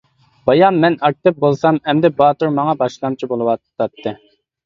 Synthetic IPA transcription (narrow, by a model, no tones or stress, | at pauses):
b̥ɑjɑmmːɛnɑk̚t̪ɨp̚bolˠsɑmɛmd̪ɛbɑːt̪uɾmɑŋɑbɑʃlˠɑmt͡ʃʰibolˠɨwɑɑt̪ʰːɨ